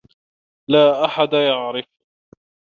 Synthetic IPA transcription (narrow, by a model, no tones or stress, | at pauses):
laːʔaħad̪ajaʕɾɪf